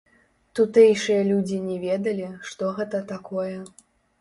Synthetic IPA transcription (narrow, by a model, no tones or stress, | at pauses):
t̪ut̪ɛjʂɨjɐlʲud͡zʲinʲɛvʲɛd̪ɐlʲiʂt̪ɔɣɛt̪ɐt̪akɔjɛ